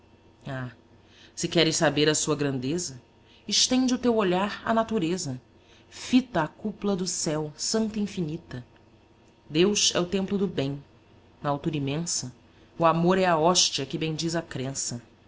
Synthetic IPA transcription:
a | sɪkɛɾɪssabeɾɐsuɐɡɾɐ̃nd̪ezɐ | ɪʃt̪ẽnd͡ʒɪʊt̪ewoʎaɾɐ̰nat̪uɾezɐ | fit̪ɐːkuplɐd̪ʊsɛwsɐ̃nt̪ɐĩfinit̪ɐ | d̪ewʃɛ̰ʊt̪ẽmplʊd̪ʊbẽj̃ | nɐawt̪uɾɐimẽsɐ | ʊamoɾɛaɔʃt͡ʃiɐkɪbẽj̃d͡ʒizɐkɾẽsɐ

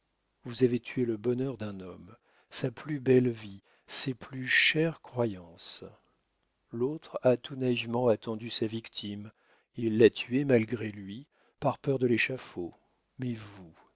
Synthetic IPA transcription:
vuzavet̪ʰyeləbɔnœʁd̪ɛ̃nɔm | saplybɛlvi | seplyʃɛʁkχwajɑ̃s | lot̪χat̪unaivmɑ̃at̪ɑ̃d̪ysavikt̪ʰim | ilːat̪ʰyemalɡʁelɥi | paʁpœʁd̪əleʃafo | mɛvu

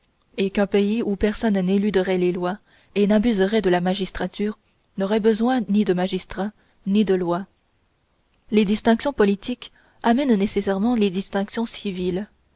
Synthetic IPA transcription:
ekɛ̃peiupɛʁsɔnnelyd̪əʁɛlelwa | enabyzəʁɛd̪əlamaʒist̪χat̪yːʁ | nɔʁɛbəzwɛ̃nid̪əmaʒist̪χa | nid̪əlwa | led̪ist̪ɛ̃ksjɔ̃pɔlit̪ik | amɛnnesesɛʁmɑ̃led̪ist̪ɛ̃ksjɔ̃sivil

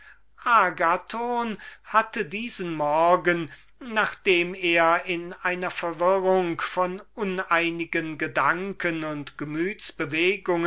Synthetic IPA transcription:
ʔaːɡatʰoːnhatədiːzənmɔɐɡənː | aːχd̥eːmeːɐɪnʔaɪnɐfɛɐvɪʁʊŋkfɔnʔʊnaɪnɪɡənɡədaŋkənʊntɡ̥əmyːtsb̥əveːɡʊŋə

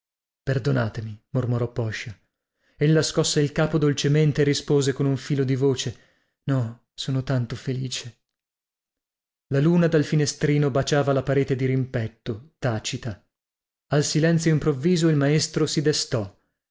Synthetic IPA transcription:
perd̪onaːt̪emimormoɾɔpːɔʃːa | elːaskɔsːeilkaːpod̪olt͡ʃement̪eːrːispoːzekonuɱfiːlod̪ivoːt͡ʃe | nɔ | soːnot̪ant̪ofeliːt͡ʃe̥ | laluːnad̪alfinest̪ɾiːnobat͡ʃaːvalapaɾeːt̪ed̪iɾimpɛt̪ːot̪aːt͡ʃit̪a | alsilɛnt̪sjoimpɾovːiːzoilmaest̪ɾosid̪est̪ɔ

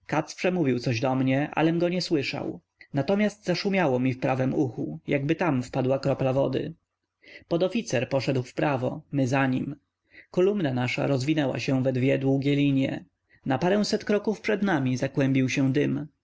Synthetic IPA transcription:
kat̪spʂɛmuvʲiwt̪sɔʑd̪ɔmɲɛʔa̰lɛmɡɔɲɛswɘʂa̰w | nat̪ɔmʲjast̪zaʂumʲjawɔmʲifpɾavɛmuxujaɡbɘt̪amfpad̪wakɾɔplavɔ̰d̪ɘ̰ | pɔd̪ɔfʲit̪sɛɾpɔʂɛd̪wfpɾavɔmɘzaɲim | kɔlumnanaʂa̰ɾɔzvʲinɛwa̰ɕɛ̃w̃vɛd̪vʲjɛd̪wuɡʲɛlʲiɲɛ̰ | napaɾɛ̃w̃sɛt̪kɾɔkufpʂɛd̪namʲizakwɛmʲbʲiwɕɛ̃d̪ɘm

